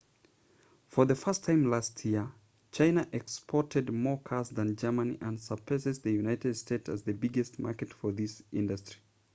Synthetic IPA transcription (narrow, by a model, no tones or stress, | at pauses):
fə˞ðɨfɜ˞stʰãɪ̃mlastʰjɪɹ | t͡ʃʰãɪ̃nəʔɛkspʰɔɹtɨd̚mɔɹkʰɑsðɨ̃nd͡ʒɜ˞mə̃nḭʔə̃nsəpʰəzɨzðɨjʉnaɪtɨd̥steɪtɨ̰zðɨbɪɡɨst̚mɑ̰ɹkɨtfə˞ðɪsɪ̃ndɨstɹ̥i̥